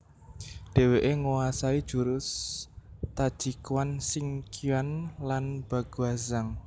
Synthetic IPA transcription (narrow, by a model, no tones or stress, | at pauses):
ɖ̥e̤weʔeŋuwasaid̥ʒ̥uɾʊs | t̪ad̥ʒ̥i̤kwansɪŋkianlanb̥a̤ɡ̥uazaŋ